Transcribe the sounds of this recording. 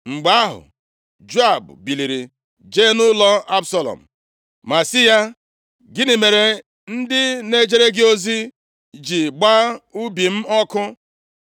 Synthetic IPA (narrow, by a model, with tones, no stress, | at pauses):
ŋ͡m̩˨ɡ͡ba˦ɦʊ̰˨ | d͡ʒu˦a˦˨bbi˨li˨ɾi˨ | d͡ʒe˦nʊ˦lɔ˦a˦bsa˦lɔ̰˨m̩˨ | ma˨sɪ˦ja˦ | ɡɪ˦nɪ˨me˨ɾe˨ | n̩˦dɪ˦ne˦d͡ʒe˦ɾe˦ɡɪ˦o˦zi˦ | d͡ʒi˨ɡ͡ba˦u˦bi˨m̩˦ɔ˦kʊ˦